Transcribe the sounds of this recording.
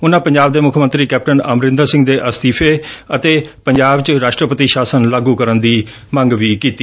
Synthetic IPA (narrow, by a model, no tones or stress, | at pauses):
ʊnãːpəɲd͡ʒaːb̚d̪eːmʊkʰmə̃nt̪ɾiːkɛːp̚ʈənəmɾɪ̃nd̪əɾsɪ̃ŋɡd̪eːʔəst̪iːpʰeːət̪eːpəɲd͡ʒaːbt͡ʃɾaːʃʈɾəpət̪iːʃaːsənlaːɡuːkəɾənd̪iː | mə̃ŋɡʋiːkiːt̪iː